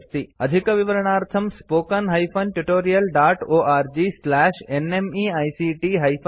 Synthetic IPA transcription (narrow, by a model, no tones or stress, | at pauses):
st̪ʰiəd̪ʱikəʋiʋəɾəɳ̃aɾt̪ʰəmspoːkənɦɐjfʰɐnʈuʈoɾijəlɖaʈoʔaɾd͡ʒislɛʃenemiajsiʈiɦɐjfʰ